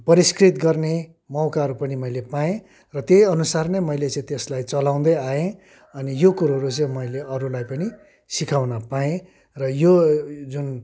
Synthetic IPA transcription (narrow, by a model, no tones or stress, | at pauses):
pʌɾiskrit̪ɡʌrne | mʌwkaʌɾupʌnimʌjlepaẽ | rʌt̪jejʌnusarnemʌjlet͡sʌ̃ĩt̪eslajt͡sʌlaw̃d̪ʌjaẽ | ʌnijokuɾuɦʌɾut͡sʌ̃ĩmʌjleʔʌɾulajpʌni | sikʰawnʌpaẽ | rʌjod͡zun